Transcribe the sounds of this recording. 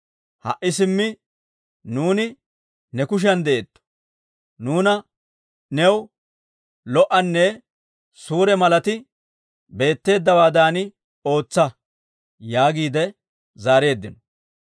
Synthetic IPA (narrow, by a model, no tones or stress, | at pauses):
hɐ̰ʔːɪsɪmːɪ | nuːnɪ | nɛkʊʃ̬ɐnd̪ɛʔet̪ːɔ̥ | nuːnɐ | nɛw | lɔʔɐnːɛ | suːɾɛmɐlɐt̪ɪ | be̞ːt̪ːe̞ːd̪ːɐwaːd̪aːnɪ | o̞ːt͡sːɐ | jaːɡiːd̪ɛ | zaːɾe̞ːd̪ːɪnɔ